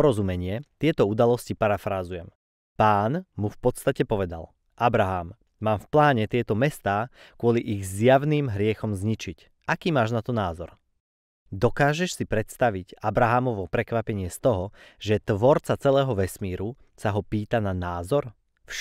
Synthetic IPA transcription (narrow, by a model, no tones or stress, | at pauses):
ɔɾɔzumɛɲɪɛt̪ɪɛt̪ɔud̪alɔscipaɾafɾaːzujɛm | paːnmufpɔt̪st̪acɛpɔʋɛd̪a̰l | ʔabɾaɦaːmː | aːmfplaːɲɛt̪ɪɛt̪ɔmɛst̪aːkʊɔliʔiɣzjaʋniːmɦɾɪɛxɔmzɲit͡ʃic | ʔakiːmaːʒnat̪ɔnaːzɔɾ | d̪ɔkaːʒɛʃsipɾɛt̪st̪aʋicabɾaɦamɔʋɔpɾɛkʋapɛɲɪɛst̪ɔɦɔʒɛt̪ʋɔɾt͡sat͡sɛlɛːɦɔʋɛsmiːɾu | saɦɔpiːt̪ananaːzɔɾ | fʃ